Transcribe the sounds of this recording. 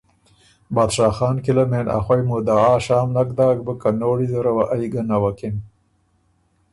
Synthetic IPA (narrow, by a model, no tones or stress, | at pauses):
bɑd̪ʃɑːxɑːnkilamena̰xwajmud̪aaːʃɑːmlakd̪ɑːɡ̚bəkanoːɽizəɾawaʔajɡanawakin